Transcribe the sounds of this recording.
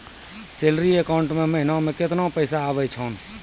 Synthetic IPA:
seːlɾiekaːʊ̃ɳʈmẽməɦɪnãmẽkɪt̪napəɪsaːʋəit͡ʃʰaːn

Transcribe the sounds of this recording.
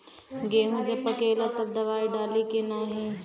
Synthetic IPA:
ɡeːɦũd͡ʒepɐkeːlɐt̪ɐd̪ɐʋaːiɖaːlikenaːɦĩː

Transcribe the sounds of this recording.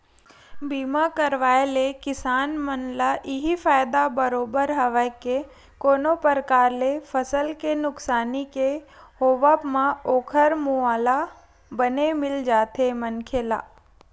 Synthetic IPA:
biːmakəɾʋaːjlekɪsaːnmənlaʔɪɦifaːjd̪abəɾoːbəɾɦɐʋəke | koːnopəɾkaːɾlefəsəlkenʊksaːnike | hoːʋapmãoːkʰəɾmuaːla | bənemɪld͡ʒaːt̪ʰemɐnkʰeːla̰ː

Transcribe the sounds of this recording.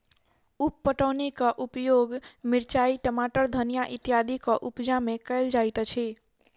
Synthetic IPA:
upːəʈəwnikəʔupjoɡmiɾt͡ʃaiʈəmaʈəɾd̪ʱənijaʔit̪jad̪ʱikəʔupd͡ʒamekəɪld͡ʒajt̪t͡ʃʰi

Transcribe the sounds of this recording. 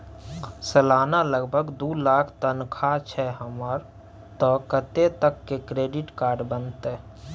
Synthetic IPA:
səlaːnaləɡbʱəɡd̪uːlaːkʰt̪ənkʰat͡ʃʰɛɦəməɾ | t̪ɔkət̪et̪əkːekɾeːɖɪʈkaːɾɖbənt̪ɛ

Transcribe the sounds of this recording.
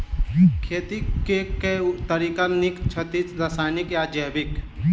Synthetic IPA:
kʰeːt̪ikeket̪əɾiːkanikt͡ʃʰət̪it͡sɾɐsaːjnikjad͡ʒəːbɪk

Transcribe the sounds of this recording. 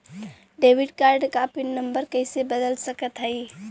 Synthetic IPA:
ɖebiɖkaɾɖkapinːəmbəɾkəɪsebəd̪əlsəkət̪ɦəɪ

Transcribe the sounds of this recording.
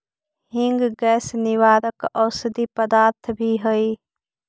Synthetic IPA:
ɦɪ̃ŋɡɡɛːsnɪʋaːɾəkɔːsəd̪iːpəd̪aːɾt̪ʰbʱiɦoiː

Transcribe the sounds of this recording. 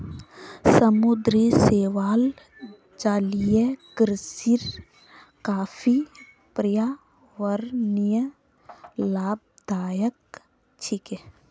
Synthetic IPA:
səmud̪ɾiseːʋaːl | d͡ʒaːlijekɾsiɾ | kaːfʰi | pɾija | ʋəɾnijə | laːb̚d̪aːjək | t͡ʃʰike

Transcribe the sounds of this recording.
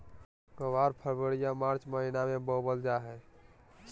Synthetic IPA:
kəʋaɾpʰəɾbəɽijamaɾt͡ʃməɦinamẽbɔbəld͡ʒaɦɛ

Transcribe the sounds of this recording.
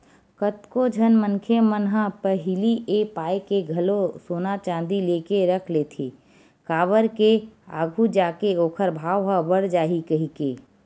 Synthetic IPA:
kət̪kod͡ʒʱənmənkʰemənɦə̃pəɦɪliʔepaːekeɡʱəlosoːnat͡ʃãːnd̪ileːkeɾəkʰlet̪ʰeː | kaːʋəɾkea̰ːɡʱud͡ʒaːkeoːkʰəɾbʱaːʋɦə̃bəɽd͡ʒaːɦikəɦikeː

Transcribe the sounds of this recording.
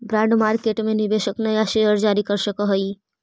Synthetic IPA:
bɾãɳɖmaɾkeʈmenibesəknəjaʃejəɾd͡ʒaɾikəɾsəkəɦəj

